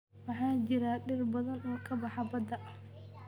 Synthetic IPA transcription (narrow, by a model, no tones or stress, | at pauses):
wɑħɑːt͡ʃɪɾaɖɪrbɐðɐnɔːkʰɐbɑħɑbɐd̪ɐʔ